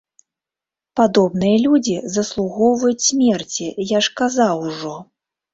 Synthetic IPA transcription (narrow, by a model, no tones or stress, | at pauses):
pad̪ɔbnɨjɐlʲud͡zʲizɐslˠuɣɔwvɐjut͡sʲsʲmʲɛrt͡sʲijaʂkazawʐɔ